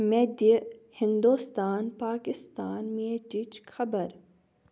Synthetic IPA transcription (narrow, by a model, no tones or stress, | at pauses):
med̪əhɪ̃nd̪uːst̪aːnpaːkɪst̪aːnmet͡ʃit͡ʃkʰɐbəɾ